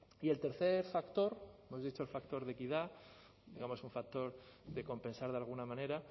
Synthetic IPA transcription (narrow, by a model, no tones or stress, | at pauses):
ie̞lt̪e̞ɾθe̞ɾfakt̪o̞ɾemo̞zðit͡ʃo̞elfakt̪oɾðe̞kiða | d̪iɣamo̞suɱfak̚t̪o̞ɾðe̞ko̞mpe̞nsaɾð̞ealɣ̞unamãne̞ɾa